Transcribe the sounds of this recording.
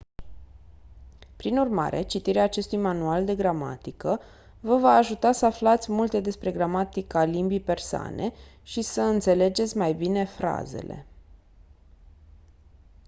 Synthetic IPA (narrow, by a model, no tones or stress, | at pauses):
pɾinurma̰ɾe̞̰t͡ʃit̪iɾeaːt͡ʃe̞st̪ujmanuald̪e̞ɡɾama̰t̪ikə | vəvaːʒut̪asəaflat̪sʲmult̪e̞d̪e̞spɾe̞ɡɾamat̪ikalimbijpe̞rsoa̰nʔe̞̰ | ʃisəɨnt̪se̞le̞d͡ʒe̞t̪sʲmajbine̞fɾa̰ze̞̰le̞̰